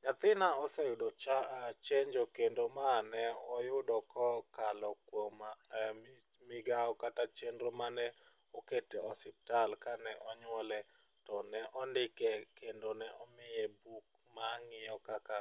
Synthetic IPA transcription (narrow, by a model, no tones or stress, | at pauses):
ɲat̪ɪnaɔsɛjʊdot͡ʃat͡ʃeɲd͡ʒokendomanɛɔjʊdɔkɔkalɔkwoma | mɪɡaɔkatat͡ʃendɾomanɛ | ɔketeɔsɪp̚talkanɛʔɔɲwɔlɛ | tɔnɛʔɔndɪkɛkendonɛʔɔmɪjɛbuk̚ | maŋɪjɔkaka